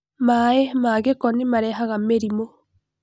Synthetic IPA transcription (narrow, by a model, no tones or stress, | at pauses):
maemaɣekɔnimaɾɛɦaɣameɾimo